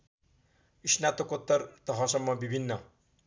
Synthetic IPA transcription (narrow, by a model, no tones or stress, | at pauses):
isnat̪okot̪ːʌɾt̪ʌɦʌsʌmːʌbibʱinːʌ